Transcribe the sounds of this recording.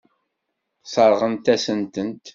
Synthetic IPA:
sˤəɾˤʁənt̪æsənt̪ənt̪

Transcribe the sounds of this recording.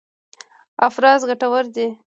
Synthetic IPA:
afɾɑzɡaʈawəɾd̪e

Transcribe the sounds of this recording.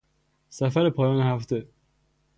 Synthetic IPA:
sæfæɾepʰɒːjɒːnehæft̪ʰe

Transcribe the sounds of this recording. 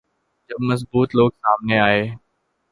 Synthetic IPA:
d͡ʒɐbmɐsbuːt̪loːɡsaːmneaːɦeː

